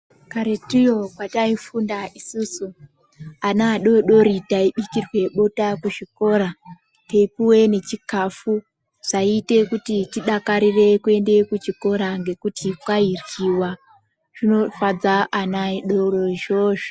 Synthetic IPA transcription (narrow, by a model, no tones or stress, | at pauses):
kaɾetijokwataifundaʔisuːsu | anaɗo̞ɗo̞ɾitaiɓikirwe̞ɓotakuʐiko̞ːɾa | teipuwe̞ne̞t͡ʃikafu | ʐ̥aite̞kutitiɗakaɾire̞kue̞nde̞kut͡ʃiko̞ɾaŋɡe̞kutikwairwiwa | ʐ̥ino̞fad͡zaʔanaiɗo̞ɾo̞ʒo̞ːʐo